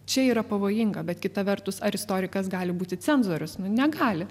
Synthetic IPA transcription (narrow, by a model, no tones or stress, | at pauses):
t͡ʃʲɛiːɾɐpɐʋoːjɪŋɡɐbʲɛt̪kʲɪt̪ɐʋʲɛɾt̪ʊsɐɾʲɪst̪oːɾʲɪkɐsɡɑːlʲɪbuːt̪ʲɪt͡sʲɛnzuɔɾʲʊsnʊnʲɛɡɑːlʲɪ